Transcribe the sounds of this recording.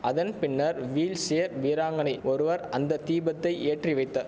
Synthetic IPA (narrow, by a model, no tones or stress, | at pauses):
ɐðɐnpɪnːɐɾʋiːlseːɐɾʋiːɾaːŋɡɐnɐɪɔɾɯʋɐɾɐnd̪ɐt̪iːbɐt̪ːɐɪʔeːʈriʋɐɪt̪ːɐ